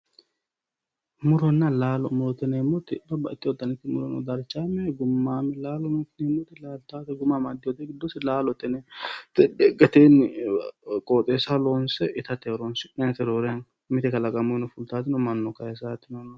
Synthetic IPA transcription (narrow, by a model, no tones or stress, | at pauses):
mʊɾɔnːɐlaːlɔmʊɾɔt̪ɛnemːɔt̪ɪbɐbɐɪt̪ːɪwɔt̪ːɐnɪt̪ːɪmʊɾɔnɔ̰d̪ɐɾt͡ʃːaːmɛɡʊmːaːmɛlaːlɔnut̪ɪnemːɔt̪ɪlaːlt̪aːt̪ɛɡʊmamad̪ɪwɔt̪ɛɡɪd̪ːɔsɪlaːlɔt̪ɛnɛt̪ɛd̪ɛɡɐt̪eːn | kʼot̪ʼeːsɐlonsɛʔɪt̪ɐt̪eɾonsɪnɐnt̪ɛɾoːɾen | mɪt̪ɛkɐlɐkʼɐmɔnɔfʊlt̪aːt̪ːɪnɔmɐnːɔkɐjɛs̬aːt̪ːɪnon